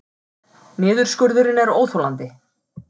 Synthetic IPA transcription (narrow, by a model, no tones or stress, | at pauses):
mɛːðʏɾ̥skœɾðʏɾɪnɛɾoːwθowlant̪ɪ